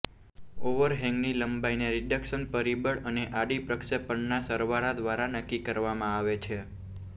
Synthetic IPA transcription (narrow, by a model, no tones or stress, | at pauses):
oʋəɾɦɛ̃ŋɡniləmbaineɾɪɖəkʃənpəɾibəɭəneʔaɽipɾəkʃepəɳnasəɾʋaɾad̪ʋaɾanəkːikəɾʋamãaʋet͡ʃʰe